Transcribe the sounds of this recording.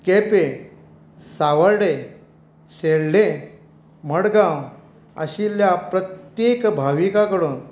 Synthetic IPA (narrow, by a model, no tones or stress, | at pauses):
kepe | saʋəɾɽe | seɭɖe | məɽɡãw | ə̰ɕiljapɾət̪jekbʱaʋikakəɽuːn